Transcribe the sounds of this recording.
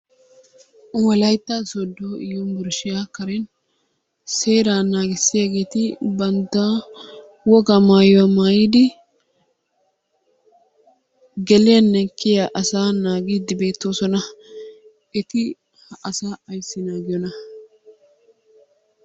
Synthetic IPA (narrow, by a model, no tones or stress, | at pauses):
wɐlɐjt̪ːasɔd̪ːoːɪjɔnbʊɾʃɪjakɐɾɛn | seːɾaːnaːɡɪsːɪjaɡe̞ːt̪ɪbɐnd̪aː | wɔɡamaːjɔwɐmaːjɪd̪ɪ | ɡɛlɪjɐnːɛkːɪjaʔɐsaːnaːɡiːd̪ɪbe̞ːt̪ːo̞ːsɔnɐ | ɪt̪ɪ | hɐsaːɐjsːɪnaːɡɪjɔnɐ